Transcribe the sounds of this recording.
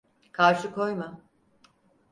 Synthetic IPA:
kʰaɾʃɯkʰo̞jma

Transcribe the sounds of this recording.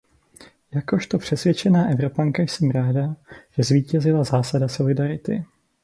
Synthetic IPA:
jako̞ʃt̪o̞pr̝̥ɛsvjɛt͡ʃɛnaːʔɛvɾo̞paŋkajsɛmɾaːdaʒ̥ɛzviːcɛzɪlazaːsadaso̞lɪdaɾɪt̪ɪ̰

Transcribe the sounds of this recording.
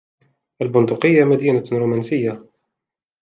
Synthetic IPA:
ʔalbʊnd̪ʊqɪjːamad̪iːnaɾuːmansɪjːa

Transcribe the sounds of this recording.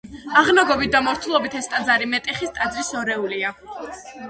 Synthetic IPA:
aʁnaɡɔbit̪̚d̪amɔɾt̪ʰulˠɔbit̪ʰɛst̪ʼad̪zaɾimɛt̪ʼɛχist̪ʼad̪zɾisɔɾɛulia

